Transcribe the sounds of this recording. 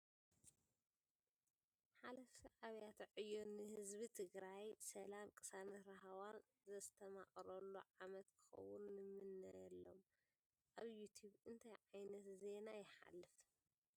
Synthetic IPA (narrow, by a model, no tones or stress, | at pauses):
ħalɐfiʕaβjat̪ʕɨjːonɨhɨzbit̪ʰɨɡɾajsɐlamkʼɨsanɐɾaɦawan | zɐst̪ʰɐmaχʼɾɐlːuʕamɐt̪kʰɨ̥xɐ̰wːʊnːɨmɨnːajɛlːo̞̰m | ʔaβjut̪ʰjuβɨnt̪ʰajʕajnɐt̪ze̞najɪħa̰lːɨf